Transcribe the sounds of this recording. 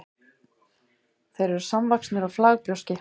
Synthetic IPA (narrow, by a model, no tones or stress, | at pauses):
θejɾɛɾ̥samvaksnʏɾaflaːɣpɾjowscɪ